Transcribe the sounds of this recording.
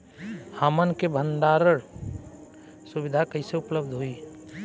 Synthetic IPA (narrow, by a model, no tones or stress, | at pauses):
hamənkebʱə̃nd̪aːɾəɽ | sʊʋɪd̪ʱakəiseʊpləbd̪ʱɦoiː